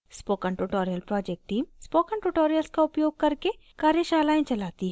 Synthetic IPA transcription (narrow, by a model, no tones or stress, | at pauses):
spoːkə̃ɳʈuʈoːɾijəlpɾɔːd͡ʒek̚ʈʈːiːmspoːkə̃ɳʈuʈoːɾijəlskaʊpjoːɡ̚kɐɾke | kaːɾjəʃaːlaːẽt͡ʃɐlaːt̪iɦ